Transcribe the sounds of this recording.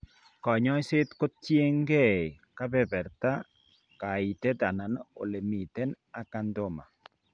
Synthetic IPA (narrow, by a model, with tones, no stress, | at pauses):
kɔ˨ɲɔ˦sɪ˦t̪ko˦tje˦ŋɡɛ˦˨ | ka˦bɛ˦bɛ˨ɾt̪a˦ | ka˨i˨t̪ɛ˦d̪a˨na˨no̰˨le˨mi˨t̪ɛ˦n | a˨ka˦nd̪o˦ma̰˨